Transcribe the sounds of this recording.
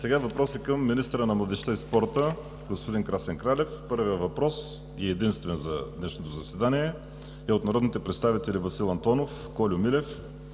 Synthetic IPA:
sɛɡavɐpɾɔsəkəmːinist̪əɾənɐmlˠɐd̪ɛʃt̪aispɔɾt̪ə | ɡospod̪inkɾasɛŋkɾalʲɛfpɤɾvijəvɐpɾɔs | ɛɛd̪inst̪vɛnzɐd̪nɛʃnot̪ozɐsɛd̪aniɛ | ɛot̪nɐɾɔd̪nit̪ɛpɾɛt̪st̪avit̪ɛlʲivɐsilˠɐnt̪ɔnof | kɔlʲʊmilɛf

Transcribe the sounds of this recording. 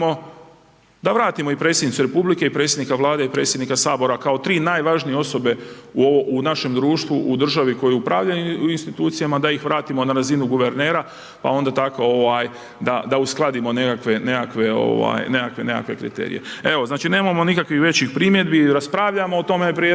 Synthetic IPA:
o̞ | d̪aʋɾaːt̪imoipɾe̞ːt̪sjed̪nit̪suɾe̞publike̞ipɾet̪sjed̪nikaʋlˠaːd̪eipɾe̞ːt̪sjed̪nikasaːbo̞ɾakao̞t̪ɾiːnaːjʋaʒnijeoso̞be̞uooʔunaʃe̞md̪ɾuːʃt̪ʋuʔud̪r̩ʒaʋiko̞jɛupɾaːʋʎauinst̪it̪uːt̪sijamad̪ajixʋɾaːt̪imo̞naɾazinuɡuʋe̞ɾne̞ːɾa | pa̰o̞nd̪at̪akoo̞ʋaːj | d̪ad̪ausklˠad̪imo̞ne̞kakʋe̞ne̞kakʋe̞o̰ʋa̰ːjne̞kakʋe̞ne̞ka̰kʋe̞̰kɾḭt̪ḛːɾḭjḛe̞ʋo̞znaːt͡ʃine̞ːmamo̞nikakʋixʋe̞t͡ɕixpɾimje̞d̪biɾaspɾaːʋʎamo̞ot̪o̞mepɾie

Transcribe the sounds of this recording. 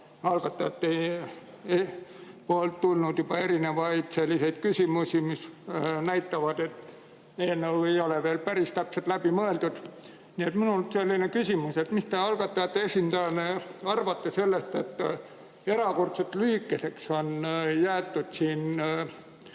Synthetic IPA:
ɑlɡ̥ɑt̪ːˑɑjɑt̪ːe | epoːlt̪ːulnud̪jub̥ɑe̞ɾine̞vɑjd̪̥se̞lʲːise̞jd̪̥̚kysʲimusimisnæjt̪ːˑɑvɑd̪̥e̞t̪ː | eːnːewe̞jo̞leveːlpæɾist̪æpset̪ˑlæb̥imɤe̞ld̪̥ud̪̥ | nie̞t̪minulselʲːinekysʲimuset̪mist̪eɑlɡ̥ɑt̪ːɑjɑt̪ːeesʲind̪ɑɑneɑrvɑt̪ːese̞lːest̪et̪ː | e̞ɾɑko̞rt̪set̪ːˑlyːkːˑese̞kso̞njæːt̪ːud̪̥siːn

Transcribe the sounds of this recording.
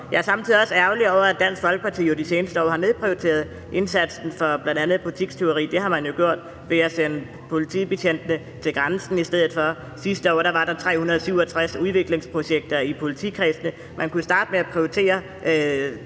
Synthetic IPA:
jɑæɐsɑ̈mt͡sʰiðˠiɒ̽sæʊliɒʊ̰ɐæd̥æn̰sɡ̥fɒ̽lɡ̥əpɑ̈t͡sʰḭːjo̝d̥ise̝ːnəsd̥əɒ̰ːhɑ̈ne̝ð̞̩ˠpʰʁiot͡sʰe̝̰ːɐð̞ˠ | ʔe̝nsæd̥sn̩fɒ̽b̥lænd̥ænð̩ˠpʰolit͡sʰiɡ̥st͡sʰe̝ʊʁḭːd̥e̝hɑ̈mænjo̝ɡ̥jo̝ɐ̰d̥ | ʋe̝æsenə | pʰo̝lit͡sʰḭb̥eɕʰen̰d̥ənə | t͡sʰe̝lɡ̥ʁansn̩isd̥eð̰ˠð̩ˠfɒ̽ | sisd̥əɒ̰ːɾ̥ɑ̈ʋɑ̈ɾ̥ɑ̈t͡sʰʁɛ̰ːhunɐð̞ˠsyʊ̰ɒ̽t͡sʰʁasuðˠʋe̝ɡ̥le̝ŋspʰʁo̝ɕeɡ̥̚d̥ɐipʰo̝lit͡sʰḭːkʰʁɛsnə | mʔænkusd̥ɑ̈ːd̥meæpʰʁioit͡sʰe̝̰ːɐ

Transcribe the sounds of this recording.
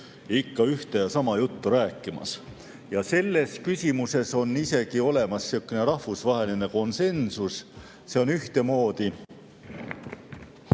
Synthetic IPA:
ikːɑyht̪e̞jɑsɑmɑjut̪ːuɾæːkːˑimɑ̰s | jɑse̞lːe̞skysʲimuse̞so̞nːise̞ɡ̥io̞le̞mɑsːiukːˑene̞ɾɑhvusvɑɦe̞line̞ko̞nse̞nsus | se̞o̞nyht̪e̞mo̞ːd̪i

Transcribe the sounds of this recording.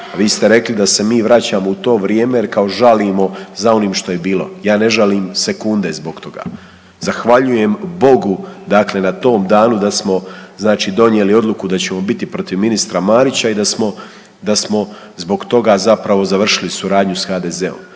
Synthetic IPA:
aʋiːst̪e̞ɾe̞klid̪ase̞miːʋɾat͡ɕaːmo̞ut̪o̞ːʋɾje̞ːme̞jeɾkao̞ʒaliːmo̞zao̞niːmʃt̪o̞je̞biːlˠo̞̰jaːne̞ʒaliːmse̞kund̪e̞zbo̞ɡt̪ʰo̞ɡa̰ː | z̥axʋaʎuje̞mbo̞ɡud̪akle̞nat̪o̞ːmd̪aːnud̪asmo̞znaːt͡ʃiːd̪o̞njeːlio̞d̪lˠukud̪at͡ɕe̞mo̞bit̪ipɾo̞t̪iʋminist̪ɾamaːɾit͡ɕaid̪asmo̞ | d̪asmo̞ | zbo̞ɡt̪o̞ɡaːzapɾaʋo̞zaʋr̩ʃilisuɾaːd̪ɲusxaːd̪e̞ːze̞o̰m

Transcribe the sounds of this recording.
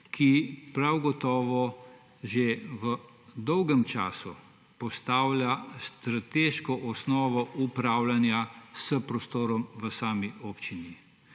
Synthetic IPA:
kʰipɾawɡɔt̪ɔːʋɔ | ʒeʋə | d̪ɔwɡɛmt͡ʃa̰ːsṵ | pɔst̪aːwlʲjast̪ɾat̪eʃkɔʔɔsnɔːʋɔʔupɾaːwlanjasəpɾɔst̪oːɾɔmʋəsaːmioːpt͡ʃini

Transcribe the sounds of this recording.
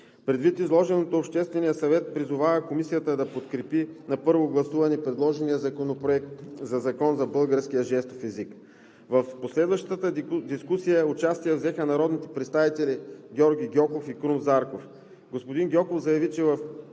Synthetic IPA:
pɾɛd̪vit̪izlˠɔʒɛnot̪oːpʃt̪ɛst̪vɛnijəsɐvɛt̪̚pɾizʊvavəkomisijət̪əd̪ɐpot̪kɾɛpinɐpɤɾvoɡlˠɐsuvɐnipɾɛd̪lˠɔʒɛnijəzɐkonopɾoɛk̚t̪zɐzɐkɔnzɐbɤlˠɡəɾsk̟ijəʒɛst̪ofɛzik | vɐfposlɛd̪vɐʃt̪ət̪əd̪iskusijəʊt͡ʃast̪ijəvzɛxənɐɾɔd̪nit̪ɛ̥pɾɛt̪st̪avit̪ɛlʲiɡʲɔɾɡʲiɡʲɔkofikɾumzaɾkof | ɡospod̪inɡʲɔkofzɐjɐvit͡ʃɛvɐf

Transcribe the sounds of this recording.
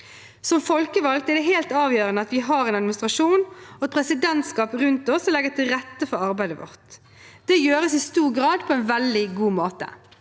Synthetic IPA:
sɔmfɔlkəʋɑlkt̪ɛʁd̪ɛɦeːlt̪ɑːʋjøːʁənəɑt̪ʋɪɦɑɾɛnɑd̪mɪnɪst̪ʁɑʃuːnɔɛt̪̚pʰɾɛsɪd̪ɛnt̪skɑːpʁʉnt̪ɔslɛɡət̪ʰɪlʁɛt̪ːəfɔɾɑɾbæɪd̪əʋɔ̰ʁt̪ | d̪̥ɛːjøːɾəsɪst̪uːʁɡɾɑːd̪pʰɔɛnʋɛld̪ɪɡuːmoːt̪ə̰

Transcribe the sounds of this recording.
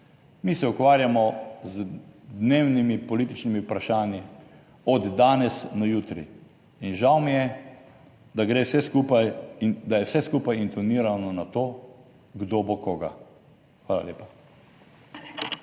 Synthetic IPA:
misɛukʋaːɾjamɔzd̪neːwnimipɔliːt̪it͡ʃnimiupɾaʃaːnji | ɔd̪ːaːnɛsnɔjuːt̪ɾḭː | nʒawmijɛ | d̪aɡɾeːsɛskupajd̪ajɛwsɛskuːpajint̪ɔniːɾanɔnat̪oː | ɡd̪obokoːɡa | xʋaːla̰lʲjeːpa

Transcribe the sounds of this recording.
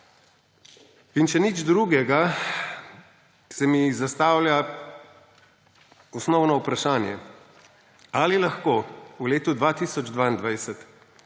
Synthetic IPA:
inʃɛnid͡ʒd̪ɾuɡɛɡa | sɛmizast̪aːwlja | ɔsnɔwnɔupɾaʃaːnjɛ̰ | alilaxkoːuleːt̪ud̪ʋat̪isɔd͡ʒd̪ʋaːind̪ʋajsɛt̪

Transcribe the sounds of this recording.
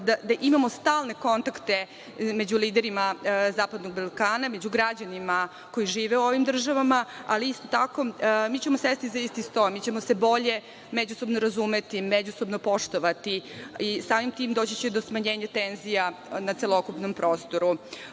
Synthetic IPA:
d̪ad̪aʔimamo̞st̪aːlˠne̞ko̞nt̪akt̪e̞ | me̞d͡ʑuliːd̪eɾimazaːpad̪no̞ɡbalˠkaːnamed͡ʑuɡɾad͡ʑanima | ko̞jiʒiːʋeuo̞ʋimd̪r̩ʒaʋamaaliist̪o̞t̪ako̞miːt͡ɕemosesit̪izaist̪ist̪o̞mit͡ɕe̞mo̞se̞bo̞ʎe̞ | med͡ʑuso̞bnoɾazume̞t̪imed͡ʑusobno̞po̞ʂt̪oʋat̪iisaːmimt̪iːmd̪oːt͡ɕit͡ɕed̪osmaɲe̞ːɲat̪enzijanat̪selˠokupno̞mpɾo̞ːst̪o̞ɾu

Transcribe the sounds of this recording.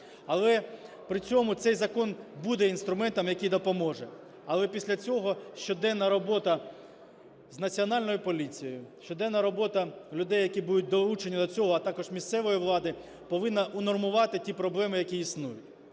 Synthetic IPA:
ɐlˠɛ | pɾɪt͡sʲɔmʊt̪sɛjzɐkɔnbud̪ɛinst̪ɾʊmɛnt̪ɐmjɐkʲijd̪ɔpɔmɔʒɛ | ɐlˠɛpʲisʲlʲɐt͡sʲɔɦɔʃt͡ʃɔd̪ɛnːɐɾɔbɔt̪ɐ | znɐt͡sʲiɔnɑlʲnɔjʊpɔlʲit͡sʲijɔjʊʃt͡ʃɔd̪ɛnːɐɾɔbɔt̪ɐlʲʊd̪ɛjːɐkʲibud̪ʊt̚ʲd̪ɔlˠut͡ʃenʲːid̪ɔt͡sʲɔɦɔɐt̪ɑkɔʒmʲist̪sɛʋɔjiʋlˠɑd̪ɪ | pɔʋɪnːɐʔʊnɔrmʊʋɑt̪ɪtʲipɾɔblˠɛmɪjɐkʲiisnujʊt̚ʲ

